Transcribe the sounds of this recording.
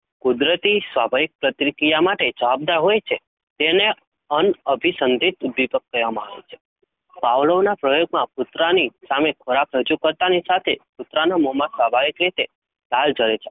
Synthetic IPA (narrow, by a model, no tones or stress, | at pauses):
kud̪ɾət̪isʋabʱaʋik̚pɾət̪ɾikijamaʈed͡ʒəʋab̚d̪aɾɦojt͡ʃʰe | t̪ene | ənəbʱisənd̪ʱit̪bipəkːəɾʋamãa̰ʋḛt͡ʃʰe̥ | paʋləʋnapɾəjoɡ̚mãpʊt̪ɾanisamekʰoɾapɾəd͡ʒukəɾt̪anisat̪ʰepʊt̪ɾanamɔmasʋabʱaʋikɾit̪e | lald͡ʒəɾet͡ʃʰe̥